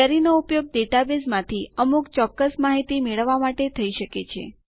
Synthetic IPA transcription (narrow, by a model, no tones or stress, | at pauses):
aɾinoupjoɡ̚d̪eʈabezmãt̪ʰiəmukt͡ʃɔkːəsmaɦit̪imeɭəʋːamaʈet̪ʰəiʃəket͡ʃʰḛ